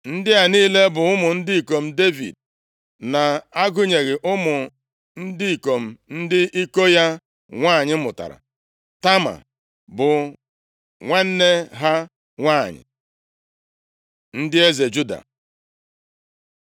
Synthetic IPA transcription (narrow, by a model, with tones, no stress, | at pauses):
n̩˦dɪ˦a˨niː˦le˦bʊ˨ʊ˦mʊ˨n̩˦dɪ˦i˨ko˨m̩˦de˦vḭ˨d̚ | na˨a˦ɡʊ˦ɲe˨ɣɪ˨ʔʊ˦mʊ˨ | n̩˦di˦i˨ko˨m̩˨n̩˦dɪ˦ʔi˦ko˦ja˦ | ŋʷaː˦˨ɲɪ˦mʊ̰˨ta̰˨ɾa̰˨ | ta˦ma̰˨ | bʊ˨ | ŋʷe˦n̩˦ne˦ɦa˦ | ŋʷaː˦˨ɲɪ̰˨ | n̩˦dɪ˦e˦ze˨d͡ʒu˦da̰˨